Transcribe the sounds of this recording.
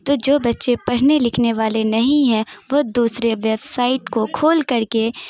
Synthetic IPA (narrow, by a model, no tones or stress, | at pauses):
t̪oːd͡ʒoːbɐtːʃepɐɽ̤nelɪkʰneʋaːlenɐɦĩɦɛ̃ʋod̪uːsɾeʋeːbsaːɪʈkokʰoːlkɐɾke